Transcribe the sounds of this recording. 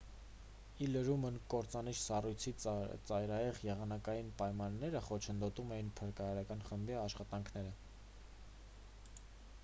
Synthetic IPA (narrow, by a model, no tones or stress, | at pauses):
iləɾumənkɔɾt͡sɑniʃsɑrujt͡sʰit͡sɑjɾɑjɛʁjɛʁɑnɑkɑjinpɑjmɑnːɛɾəχɔt͡ʃʰənd̪ɔt̪umɛjinpʰəɾkɑɾɑɾɑkɑnχəmbiɑʃχɑt̪ɑŋkʰnɛɾə